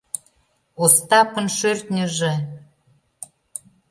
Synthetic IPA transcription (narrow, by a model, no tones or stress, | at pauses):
ost̪ɑpə̆nʃørt̪nʲə̆ʒĕ